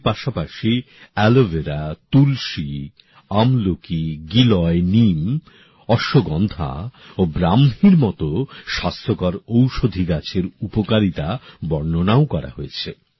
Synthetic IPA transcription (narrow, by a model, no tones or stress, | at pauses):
paʃapaʃi | ɛloveɾat̪ulʃi | amlokiɡilɔenim | ɔʃoɡɔnd̪ʱa̰obɾamɦiɾmɔt̪oʃast̪ʰokaɾowʃod̪ʱiɡat͡ɕʰeɾupokaɾit̪abɔɾnonaokɔɾa̰ɦoet͡ɕʰe